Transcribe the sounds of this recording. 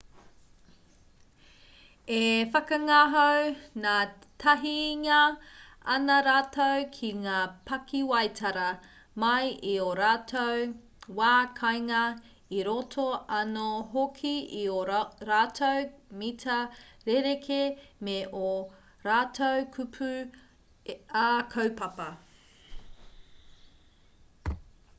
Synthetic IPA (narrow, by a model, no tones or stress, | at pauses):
efɐkɐŋaɦownaːtʰɐɦiŋɐ | ɐnɐɾaːtowkʰiŋaːpʰɐkʰiwɐjtʰɐɾɐ | mɐjʔioɾaːtʰow | waːkʰɐjŋɐ | iɾotʰoɐnoɦokʰiioɾaːtʰowmitʰɐɾeɾekʰemeʔo | ɾaːtʰowkʰʉpʰʉ | akʰɐwpɐpɐ